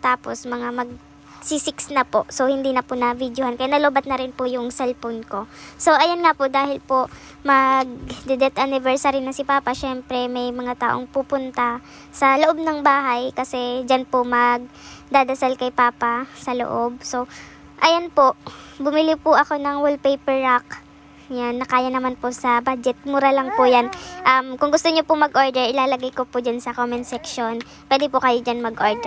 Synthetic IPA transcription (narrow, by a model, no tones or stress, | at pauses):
t̪aːpo̞smɐŋamɐɡ̚ | sisɪksnɐpo̞ʔso̞hɪnd̪iːnɐpʊnɐvid̪johankɐjanɐloːbɐt̪̚nɐɾɪnpʊjʊŋsɛlfonko̞so̞ʔɐjonŋapʊd̪aːhɪlpo | mɐɡ̚d̪ɛd̪ɛt̪ʔɐnɪvɛɹsaɾinɐsɪpaːpɐʃɛmpɾɛmɐjmɐŋat̪a̰ːʔo̞̰ŋpuːpʊnt̪ɐ | sɐloʔo̞b̚nɐŋbaːɦɐjkɐsɛd͡ʒanpomɐɡ̚d̪aːd̪ɐsalkɐjpaːpasɐlo̰ʔo̞b̚so̞ | ʔɐjonpoʔbʊmɪlipʊʔɐko̞nɐŋwʊlpejpɛɹːak | janːɐkaːjɐnɐmanposɐbaːd͡ʒɛt̪̚mʊɾalɐŋpʊjanʔɐmkʊŋɡʊst̪oɲopʊmɐɡʔo̞ːɹd̪ɛɹʔɪlaːlɐɡajkopʊd͡ʒansɐkomɛnsɛkʃo̞n | pwɛːd̪ɪpʊkɐjod͡ʒanmɐɡʔoɹd̪ɛ